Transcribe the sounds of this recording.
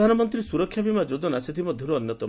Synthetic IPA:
anɔmɔnt̪ɾisuɾɔkʰːjabimad͡ʒod͡ʒɔnasit̪ʰimɔd̪ʱjɔɾuɔnjɔt̪ɔ

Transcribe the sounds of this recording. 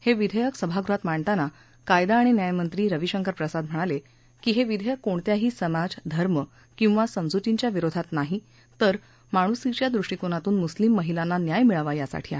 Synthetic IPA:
heʋid̪ʱəjəksəbʱaɡɾuɦat̪maɳt̪ana | kajd̪aːɽ̃injajmənt̪ɾiːɾəʋiɕəŋkəɾpɾəsad̪m̤əɽ̃ale | kiːɦeʋid̪ʱəjəkːoɳt̪jaɦiːsəmad͡zd̪ʱəɾmə | kĩw̃ʋasəmd͡zut̪iɲt͡ɕjaʋiɾod̪ʱat̪naɦi | t̪əɾ | maɽ̃usit͡ɕjad̪ɾuʂʈikoñat̪uːnmuslimːəɦilanːanjajmiɭəʋajasa̰ʈʰiːa̰

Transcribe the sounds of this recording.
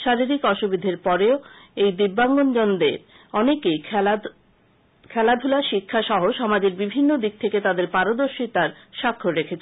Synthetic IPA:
ʃaɾiɾikɔʃubid̪ʱeɾpɔɾeoejd̪ibːaŋɡond͡ʑɔnd̪eɾ | ɔnekej | kʰɛlad̪ʱulaʃikʰːaʃɔɦoʃɔmad͡ʑeɾbibʱinːod̪ik̚t̪ʰeket̪ad̪eɾpaɾod̪oɾʃit̪aɾʃakʰːoɾekʰet͡ɕʰ

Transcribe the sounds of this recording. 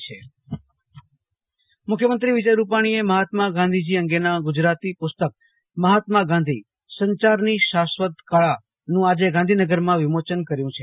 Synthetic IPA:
t͡ʃʰe | mʊkʰjəmənt̪ɾiʋɪd͡ʒəjɾupaɽ̃ieməɦat̪maɡãnd̪ʱid͡ʒiəŋɡenaɡʊd͡ʒɾat̪ipʊst̪ək̚ | məɦat̪maɡãnd̪ʱi | səɲt͡ʃaɾniʃasʋət̪kaɭa | nũad͡ʒeɡãnd̪ʱinəɡəɾmãʋɪmot͡ʃənkəɾjũt͡ʃʰe

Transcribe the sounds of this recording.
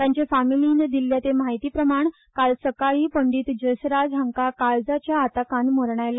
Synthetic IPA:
t̪jãɲt͡ɕefamiliːnd̪ilːjat̪emajt̪iːpɾəmaɳ | kalsəkaɭiːpəɳɖiːt̪d͡ʑəsɾad͡zʱəŋkakaɭd͡zat͡ɕjaːt̪akãnmoɾɳajla

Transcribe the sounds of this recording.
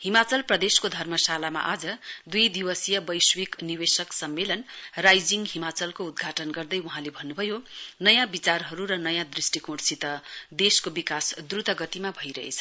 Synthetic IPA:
himat͡sʌlprʌd̪eskod̪ʱʌrmʌsalama̰ʔad͡zʌd̪ujd̪iwʌsijʌbʌjswikniwesʌksʌmːelʌnrajd͡ziŋɡɦimat͡sʌlkoud̪̚ɡʱaʈʌnɡʌrd̪ʌjuɦãlebʱʌnːubʱʌjonʌjãbit͡sarɦʌɾuɾʌnʌjãd̪risʈikoɽsit̪ʌd̪eskobikasd̪rut̪ʌɡʌt̪imabʱʌjɾʌɦḛt͡sʰʌ

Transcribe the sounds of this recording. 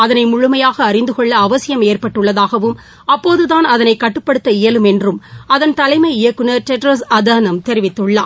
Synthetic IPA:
ɐðɐnɐɪmʊɻʊmɐjaːɣɐːɾɪnd̪ɯkɔɭːɐːʋɐsɪjɐmeːrpɐʈːɯɭːɐðaːɣɐʋɯm | ɐpːoːðɯðaːnɐðɐnɐɪkːɐʈːɯpːɐɽɯt̪ːɐɪjɐlɯmɛndrɯmɐðɐnt̪ɐlɐɪmɐɪɪjɐkːɯnɐʈɛʈɾɐsɐd̪anɐmt̪ɛɾɪʋɪt̪ːɯɭːaː

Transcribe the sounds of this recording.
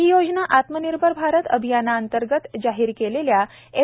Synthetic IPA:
iːjod͡ʑnaʔat̪məniɾbʱəɾbʱaɾət̪ə̰bʱijanaːnt̪əɾɡət̪d͡ʑaɦiːɾkelelja | e

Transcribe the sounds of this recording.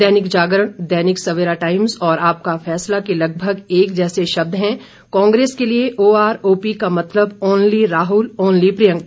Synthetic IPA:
dɛɦnɪkd͡ʒaːɡəɾəɳ̃d̪ɛːnɪksɐʋeːɾaʈaːɪmzɔːɾaːp̚kafɛːslakelɐɡ̚bʱəɡeːkd͡ʒɛːseʃɐb̚d̪ʱɦɛ̃ | kɔ̃ːŋɡɾeːskelieʔoːaːɾoːpikamɐt̪ləboːnliɾaːɦʊlɔːnlipɾɪjə̃ŋ

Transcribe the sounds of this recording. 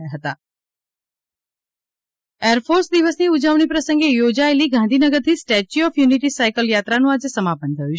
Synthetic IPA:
aɦət̪a | eəɾfʰoɾsd̪iʋəsniud͡ʒaʋɳ̃ipɾəsəŋɡejod͡ʒaeliɡãnd̪ʱinəɡəɾt̪ʰisʈɛt͡ʃiɔfjuniʈisajkəljat̪ɾanũad͡ʒesəmapənt̪ʰəju

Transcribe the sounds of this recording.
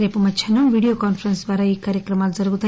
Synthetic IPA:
ɾepɐmɐt͡ʃʰɐnuʋiɽijokanpʰɾənsd̪ʋaːɾaikaːɾjəkɾɐmald͡zɐɾɡut̪ʰa

